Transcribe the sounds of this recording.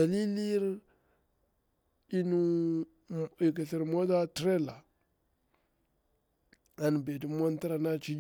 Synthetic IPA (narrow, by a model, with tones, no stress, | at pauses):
a˨li˦li˦ɾ | i˦nu˦ | i˨ka˨ɬi˨ɾmo˦da˦tɾe˦la˨ | a˨n˨be˨di˨mo˦n˦ta˦ɾa˨na˦t͡ʃi˦d͡ʒ